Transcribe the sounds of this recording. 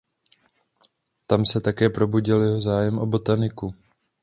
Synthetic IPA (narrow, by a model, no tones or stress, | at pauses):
t̪amsɛt̪akɛːpɾo̞buɟɪljɛɦo̞zaːjɛmʔo̞bo̞t̪anɪku